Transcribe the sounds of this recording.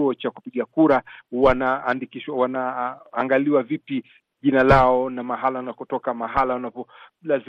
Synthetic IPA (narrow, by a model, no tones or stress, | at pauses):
uɔt͡ʃakupiɠakuɾawanaːndikiʃwawanaːŋɡaliwavipi | ʄinalaɔnamaɦalawanakɔtɔkamaɦalawanapɔlaz